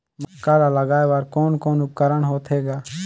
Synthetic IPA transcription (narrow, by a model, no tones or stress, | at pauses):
mɐkaːlaːləɡaːeʋaɾkoːnkoːnʊp̚kəɾəɳɦoːt̪ɦeːɡaː